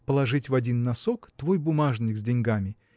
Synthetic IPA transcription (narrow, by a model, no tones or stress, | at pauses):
pəlˠɐʐɨtʲvɐdʲinːɐsokt̪vo̞jbʊmaʐnʲɪkzʲdʲɪnʲɡamʲɪ